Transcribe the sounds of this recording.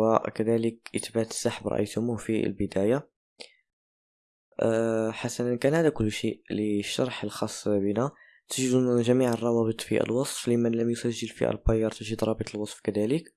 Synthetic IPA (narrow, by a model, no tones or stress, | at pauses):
wæʔkæd̪æləkʔət̪bæt̪ə̥sːaħəbɾˤɑ̰ʔə̰jt̪ʊmuhfḭlbəd̪æja | ħasænənkænhæd̪ækʊlːʃiʔliʃːɑɾˤħəlxɑsˤːbənæ | t̪əʒd̪unʒæmiʕərˤːɑwɑbət̪ˤfḭʔə̰lwɑsˤflimənləmjʊsæʒːəlfḭʔæ̰lbɑjːɑɾˤt̪əʒəd̪ɾˤɑbət̪ˤəlwɑsˤfkæd̪ælək